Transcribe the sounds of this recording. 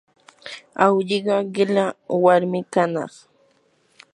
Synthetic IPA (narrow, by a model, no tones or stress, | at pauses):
awʎɪɢɑɢɪlawaɾmɪkanɑ̰χ